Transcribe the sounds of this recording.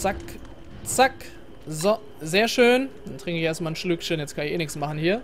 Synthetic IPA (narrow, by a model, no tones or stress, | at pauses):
t͡sak | t͡sak | zɔ | zeːɐʃøːnd̥antʁ̥ɪŋkəɪçʔeːɐstmaːln̩ʃlʏkʃənjɛt͡skʰanɪçḛːnɪksmaχn̩hiːɐ